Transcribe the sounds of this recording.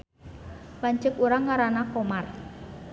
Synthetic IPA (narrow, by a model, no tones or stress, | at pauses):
laɲt͡ʃəkuɾaŋːaɾanakomar